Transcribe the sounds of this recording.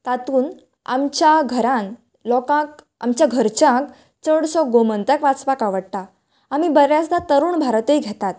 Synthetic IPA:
t̪at̪uːn | a̰mt͡ɕjaɡʱəɾãn | lɔkãk̚ | a̰mt͡ɕjaɡʱəɾt͡ɕãk | t͡səɽsɔɡomənt̪əkʋat͡spakaʋəɽt̪a | amibəɾjasd̪at̪əɾuːɳbʱaɾt̪əiɡʱɛt̪at̪

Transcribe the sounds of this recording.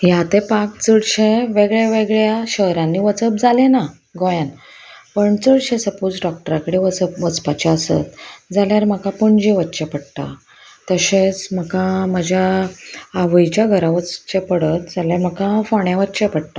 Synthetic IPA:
jat̪epakt͡səɽɕeʋeɡɭjaʋeɡɭjaɕəɦɾãnːiʋət͡səp̚d͡zalena | ɡojan | pəɳt͡səɽɕesəput͡sɖɔk̚ʈəɾakəɽeʋət͡səpʋət͡spat͡ɕeəsə̰t̪̚d͡zaljaɾm̤əkapuɳd͡ʑiʋət̪ːt͡ɕepəɽt̪a̰ | t̪əɕet͡sməkaməd͡ʑʱjaː | ʋəjt͡ɕjaɡʱəɾaʋət͡st͡ɕepəɽət̪d͡zaljam̤əkãfɔɳjãʋət̪ːɕepəɽt̪a

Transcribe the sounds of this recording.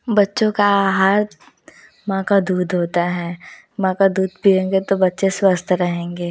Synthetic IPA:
bɐtːʃõkaɦaɾ | mãːkad̪uːd̪ʱɦoːt̪aɦɛː | mãːkad̪uːd̪̚piẽːŋɡet̪obɐtːʃeswəst̪ʰɾɐɦẽːŋɡeː

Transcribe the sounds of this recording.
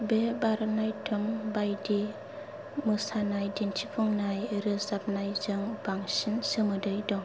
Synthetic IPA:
bebaɾɯnajtʰɯŋbajdi | mɯsanajdintʰipʰɔŋnajɾɯzap̚najzɯŋb̥aŋsinsɯmɯdɯjdɔŋ

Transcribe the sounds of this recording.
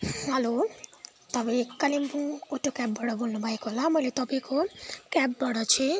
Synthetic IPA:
ɦʌlo | t̪ʌbikʌlimbuŋoʈːokab̚baɽʌbolnubʱaekoɦolamʌjlet̪ʌpaĩkʰokabbʌɽʌt͡sʰi

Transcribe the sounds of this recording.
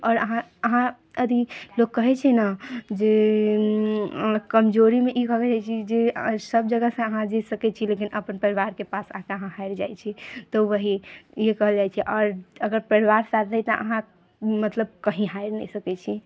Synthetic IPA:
ɔːɾəɦãəɦã | əd̪ʱilokːəɦɛt͡ʃʰɛnəd͡ʒe | kəmd͡ʒoɾimeʔikəɦəld͡ʒajt͡ʃʰid͡ʒesəb̚d͡ʒəɡəsə̃əɦãd͡ʒisəkɛt͡ʃʰilekinəpənpəɾiʋaɾkepasãkeəɦãɦaiɾd͡ʒa̰jt͡ʃʰit̪ɔʋəɦijekəɦəld͡ʒajt͡ʃʰiʔɔɾəɡəɾpəɾiʋaɾsad̪nət̪ɔʔə̰ɦã | mət̪ləb̚kəɦĩɦaiɾnə̰səkɛt͡ʃʰi

